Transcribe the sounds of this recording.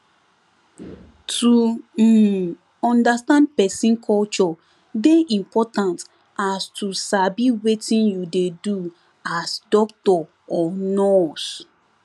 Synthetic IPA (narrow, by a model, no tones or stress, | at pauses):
tʰu | ɔ̃ndastãnd̚pɛsĩnkʰɔlt͡ʃɔ | deʔĩmpʰɔtãnt | astʰusabiwetĩnjudedu | asdɔk̚tɔ | ɔnɔs